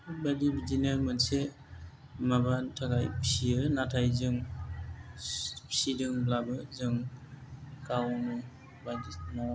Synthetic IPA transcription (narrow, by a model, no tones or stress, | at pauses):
badibid͡ʒinɯɾmɯnse | mabantʰaɡajpi̥siɯnatʰajzɯŋ | pi̥sidɯŋblabɯzɯŋ | kawnu | badinɔ